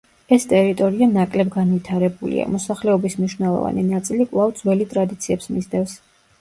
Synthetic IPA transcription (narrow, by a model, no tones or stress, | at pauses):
ɛst̪ʼɛɾit̪ʼɔɾianakʼlɛbɡanvit̪ʰaɾɛbulḭa̰mɔsaχlɛɔbismniʃvnɛlˠɔ̰va̰ninat̪sʼilikʼvlˠavd̪zwɛlit̪ʼɾad̪it̪sʰiɛpsmizd̪ɛfs